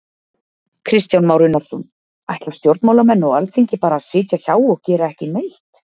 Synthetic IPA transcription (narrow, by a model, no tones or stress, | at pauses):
kʰɾɪst̪jawnmaːwɾɪnːaɾ̥sɔn | ajht̪lawst̪jowɾt̪maːwlamɛnːɔɣalθiɲcɪpaːɾaːðsɪːc̪aç̥aːwɔɣcɛːɾaɛhcɪneːjht̪